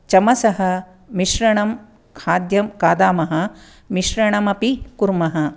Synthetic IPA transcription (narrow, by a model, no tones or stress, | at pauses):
t͡ʃɐmɐsɐɦɐ̆ | miʃɾɐɳɐm | kʰaːd̪jɐmkaːd̪aːmɐɦɐ̆ | miʃɾɐɳɐmɐpikuɾmɐɦɐ